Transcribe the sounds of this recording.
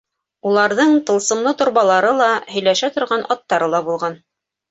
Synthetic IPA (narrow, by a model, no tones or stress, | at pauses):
ulˠɑɾðɤɴt̪ɤ̆lˠsɤ̆mlˠɤt̪ŏɾβɑlˠɑɾɤlˠɑhɵ̆jlæʃæt̪ŏɾʁɑnʔɑt̪ːɑɾɤlˠɑbulˠʁɑn